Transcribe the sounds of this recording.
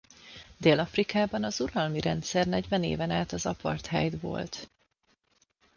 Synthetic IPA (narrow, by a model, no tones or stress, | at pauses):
d̪eːlɒfrikaːbɒnɒzuɾɒlmiɾɛnt̪sɛrnɛɟvɛnḛːvɛnaːt̪ɒzɒpɒ̰rt̪ɦɛ̰jd̪vo̞̰lt̪